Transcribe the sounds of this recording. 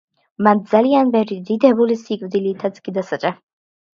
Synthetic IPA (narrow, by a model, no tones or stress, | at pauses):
mand̪zalianbɛvɾid̪id̪ɛbulisikʼvd̪ilit̪ʰat̪skʼid̪asat͡ʃʼa